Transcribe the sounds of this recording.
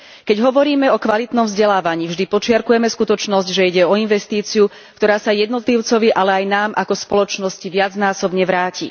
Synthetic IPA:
kɛɟɦɔʋɔɾiːmɛɔkʋalit̪nɔmvzɟɛlaːʋaɲiːvʒd̪ipɔt͡ʃɪaɾkujɛmɛskut̪ɔt͡ʃnɔzɟʒɛiɟɛɔinʋɛst̪iːt͡siu | kt̪ɔɾaːsajɛd̪nɔt̪liʊt͡sɔʋiʔalɛajnaːmʔakɔspɔlɔt͡ʃnɔsciʋɪad͡znaːsɔbɲɛʋɾaːcḭ

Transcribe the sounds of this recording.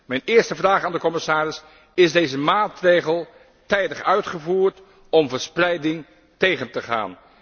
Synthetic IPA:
mɛjnɪːɹstəvraːχaːndəkɔmɪsaːɾɪs | ɪzdejzəmaːtrejχəlˠ | tɛjdəχœɥtχəvuːɹt | ɔmvəɹsprɛjdɪŋ | tejχəntəχa̰ːn

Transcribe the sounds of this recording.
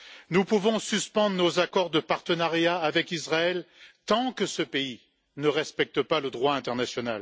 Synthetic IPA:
nupuvɔ̃syspɑ̃d̪ʁnozakɔʁd̪əpaʁt̪ənaʁjaːvɛkizʁaɛlt̪ɑ̃kəsəpei | nəʁɛspɛk̚t̪əpaləd̪ʁwaɛ̃t̪ɛʁnasjɔnal

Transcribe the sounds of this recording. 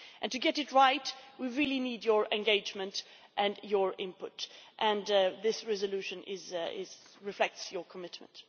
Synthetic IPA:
ʔɨ̃ntɨɡɛɾɨt̚ɹaɪtwiɹɪlˠinidjə˞ʔɛ̃nɡeɪd͡ʒmɨ̃nt | ʔɨ̃njə˞ɪ̰̃mpʊtʔɨ̃nðɪsɹɛzəlʉʃɨ̃nɪzɪ̰zɹɨflɛk̚tsjə˞kʰəmɪt̚m̃nt

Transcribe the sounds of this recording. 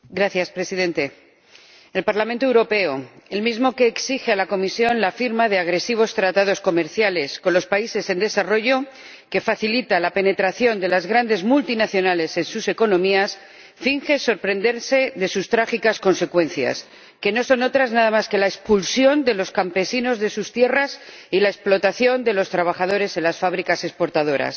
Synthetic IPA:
ɡɾaθjaspɾe̞siðẽ̞nt̪e̞ | e̞lpaɾlamẽnt̪owɾo̞pe̞oe̞lmizmo̞ke̞ːksixealako̞misjo̞nlafiɾmaðe̞aɣ̞ɾe̞siβ̞o̞st̪ɾat̪aðo̞sko̞me̞ɾθjale̞sko̞nlo̞spaise̞se̞nd̪e̞saro̞ʝo̞ | ke̞faθilit̪alape̞ne̞t̪ɾaθjo̞nd̪e̞lazɣɾand̪e̞zmult̪inaθjo̞nale̞se̞nsuse̞ko̞nõ̞mias | fiŋxe̞so̞ɾpɾe̞nd̪e̞ɾse̞ðe̞sust̪ɾaxikasko̞nse̞kwẽ̞n̟θja̰s | ke̞no̞so̞no̞t̪ɾaznaðamaske̞laespulsjo̞nd̪e̞lo̞skampe̞sino̞zðe̞sust̪je̞ras | ilae̞splo̞t̪aθjo̞nd̪e̞lo̞st̪ɾaβ̞aχað̞o̞ɾe̞se̞nlasfaβ̞ɾikase̞spo̞ɾt̪að̞o̞ɾa̰s

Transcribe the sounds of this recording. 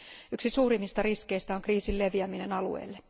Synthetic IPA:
yksisuːɾimːist̪ɑriske̞jst̪æo̞ŋkriːsille̞ʋiæmine̞nɑlṵḛːlːe

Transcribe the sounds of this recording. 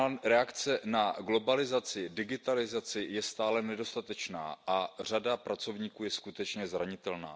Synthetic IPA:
ɾɛakt͡sɛnaɡlo̞balɪzat͡sɪdɪɡɪt̪alɪzat͡sɪjɛst̪aːlɛnɛdo̞st̪at̪ɛt͡ʃna̰ːʔar̝adapɾat͡so̞vɲiːkuːjɛskut̪ɛt͡ʃɲɛzɾaɲɪt̪ɛlna̰ː

